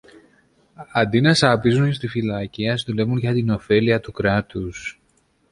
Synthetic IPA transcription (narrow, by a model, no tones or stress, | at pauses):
ɐnd̪inɐsɐpizunst̪ifilɐciɐsðule̞vunʝɐt̪ino̞fe̞liɐt̪ukɾɐt̪us